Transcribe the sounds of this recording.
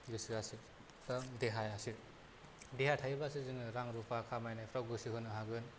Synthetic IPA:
ɡɯsiasiɾ | taŋdeɦajasiɾ | dehajtʰajbasizɯŋɯɾaŋɾupʰakʰamajnajpʰɾawɡɯsiɦɯnɯɦaɡɯn

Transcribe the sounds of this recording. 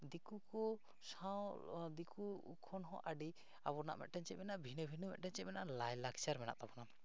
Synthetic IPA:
d̪ikukɔ | sawd̪ikʰṵːkʰɔnɦɔ̰̃ʔaɖi | abɔna̰ʔmɛ̰ʔ̚ʈɛɲt͡ʃɛmɛnaʔbʱinəbʱinəmɛʔ̚ʈɛnt͡ʃɛmɛnaʔlajlakt͡ʃaɾmɛna̰ʔt̪abɔna

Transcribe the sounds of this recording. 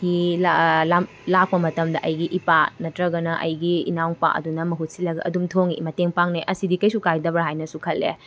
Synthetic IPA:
kilaa | lak̚pɐmɐtɐmdɐʔɐjɡiʔipanɐtɾɐɡɐnɐʔɐjɡiḭnawŋpa̰ʔɐ̰dunɐmɐɦut̚silɐɡɐʔɐ̰dumtʰoŋḭmɐteŋpaŋneʔɐsidikɐjsukajdɐbɾaɦajnɐsukʰɐlːḛ

